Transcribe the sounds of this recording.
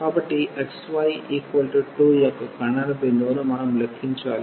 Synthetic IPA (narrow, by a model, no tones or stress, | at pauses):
kaːbɐʈːiʔeksʋɐjʔiːkwɐlʈiʈːuːjɐkːɐkɐɳɐɾɐbend̪onumɐnɐmlekʰːiɲt͡ʃaːli